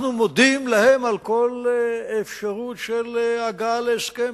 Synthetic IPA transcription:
numod̪imlahemalko̞lefʃaʁut̪ʃelaɡaleeskem

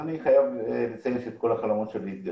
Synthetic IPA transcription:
aniχajavlet͡semeset̪̚ko̞laχalamo̞t̪ʃeliit̪̚ɡa

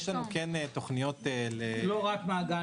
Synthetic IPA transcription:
ʃlanukenet̪oχnijo̞t̪eleloʁakmaːɡa

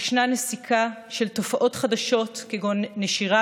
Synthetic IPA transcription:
ʃnanesikʰaʃe̞lto̞faʔo̞tχadaʃo̞tkeɡonːeʃiʁa

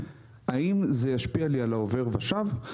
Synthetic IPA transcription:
aimzejaʃpialialaove̞ʁvaʃav

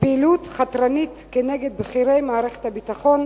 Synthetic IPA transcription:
peːlut̪χat̪ɾanit̪keneɡed̪̚bχiɾe̞jmaːʁeχethabit̪aχo̞n

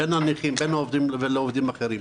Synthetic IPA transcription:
enaniχimbenuovd̪imveloovd̪imaχeɾim

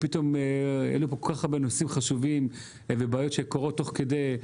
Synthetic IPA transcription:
pit̪o̞meḛlupokolkaχaʁbenosimχaʃuvim | vebaːjotʃekoʁo̞t̪ːo̞χke̞d̪ej

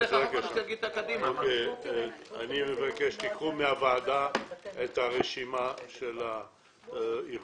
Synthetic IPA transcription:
aɡaʃɡit̪akad̪imoke | a̰nimevakeʃtikʁumeavaːdaet̪haʁeʃimaʃela | i

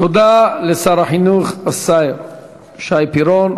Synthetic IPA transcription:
t̪od̪alesaɾaħinuχasajɾ | ʃajpiɾon

